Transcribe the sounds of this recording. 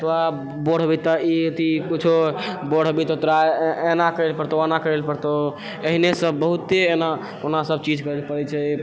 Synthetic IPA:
t̪oa | boɽ̤bit̪əit̪ikut͡ʃʰoboɽ̤bit̪ət̪ɾaenakəelpəɾt̪oenakəelpəɾt̪o | əɦinesəbbəɦut̪ːeːna | konasəbt͡ʃid͡ʒkəelpəɾɛt͡ʃʰɛ

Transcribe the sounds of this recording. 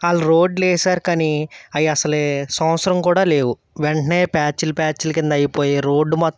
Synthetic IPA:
aːluɾoːɖlɛːsaːɾukaniɐjɐɐsɐleːsɐ̃mɐt̪sɐɾɐmkuːɽaːleːwu | ʋeɳʈɐneːpaːt͡ʃilupʲaːt͡ʃilɐkind̪ɐɐjipo̞ːjeːɾo̞ːɖːmɐt̪ː

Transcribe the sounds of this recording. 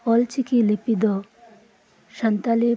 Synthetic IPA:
ɔlt͡ʃikilipid̪ɔ | ʃant̪ale

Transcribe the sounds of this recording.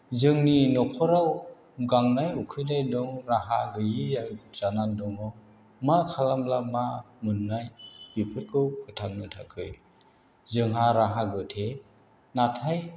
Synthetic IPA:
zɯŋninɔkʰɔɾaw | ɡaŋnajukʰɯjdajdɔŋɾaɦaɡɯjizanandɔŋɔ | makʰalamlama | mɯnːajb̥ipʰɯɾkʰɯwpʰɯtʰamnɯtʰakʰɯj | zɯŋɦaɾaɦaɡɯtʰe | natʰaj

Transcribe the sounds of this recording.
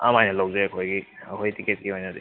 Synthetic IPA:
a̰majnɐlawzeɐkʰojɡiɐkʰojtiket̚kiojnɐdḭ

